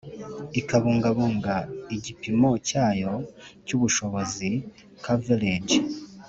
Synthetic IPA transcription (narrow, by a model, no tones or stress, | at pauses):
ikaβuːŋɡaβuːŋɡaiɟipimo̞caːjo̞cuβuʃo̞βo̞zi | kʰaveleɟ